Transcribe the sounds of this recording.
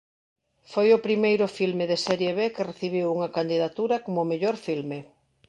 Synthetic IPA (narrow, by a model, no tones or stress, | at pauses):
fojʊpɾimejɾʊfilmɪðesɛɾjeβekɪreθiβ̞iwuŋɐkand̪iðat̪uɾɐkomʊmeʎoɾfilme